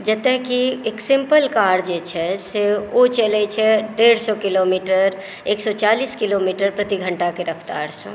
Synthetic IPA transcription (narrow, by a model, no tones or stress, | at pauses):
d͡ʒət̪ẽɦkieksɪmpəlkaːɾd͡ʒet͡ʃʰɛseot͡ʃelet͡ʃʰɛɖeːɽsɔkilomiːʈəɾ | eːksɔt͡ʃaːliːskilomiːʈəɾpɾət̪iɡʱə̃ɳʈakeɾəfʰt̪a̰ːɾsḛ̃